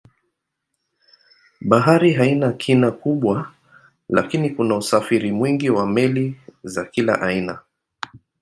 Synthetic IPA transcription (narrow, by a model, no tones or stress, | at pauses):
ɓaɦaɾiɦainakʰinakuɓwa | la̰kinikunausafiɾimwiŋɡiwamɛlizakila̰ʔaina